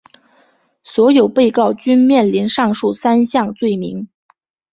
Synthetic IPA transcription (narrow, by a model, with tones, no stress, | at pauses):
swɔ˧˥jo˨˩ʊpe˥˧ɪkɑ˥˩ʊt͡ɕy˥nmjɛ˥˩nli˧˥nʂɑ˥˧ŋʂu˥˩sa˥nɕjɑ˥˧ŋt͡swe˥˩ɪmḭ˧˥ŋ